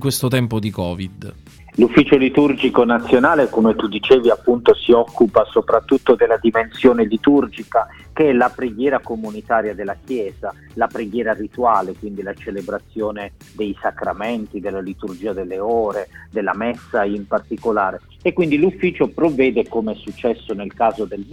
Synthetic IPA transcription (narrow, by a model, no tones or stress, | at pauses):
ŋkwest̪ot̪ɛmpod̪ikɔːvid̪ | lufːiːt͡ʃolit̪urd͡ʒikonat̪sːjonaːlekomet̪ud̪it͡ʃeːviapːunt̪osiɔkːupasopɾat̪ːut̪ːod̪elːad̪imensjoːnelit̪urd͡ʒika | keɛlapɾeɡjɛːɾakomunit̪aːɾjad̪elːakjɛːz̥a | lapɾeɡjɛːɾarit̪uaːlekwind̪ilat͡ʃelebɾat̪sːjoːne | d̪ejsakɾamɛnt̪id̪elːalit̪urd͡ʒiːad̪elːeoːɾed̪elːamɛsːaimpart̪ikolaːɾe | ekːwind̪ilufːiːt͡ʃopɾovːɛːd̪ekomɛsːut͡ʃːɛsːonelkaːzod̪el